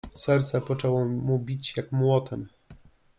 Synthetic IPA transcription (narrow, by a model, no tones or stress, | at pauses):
sɛɾt̪sɛpɔt͡ʂɛwɔmubʲit͡ɕjakmwɔt̪ɛm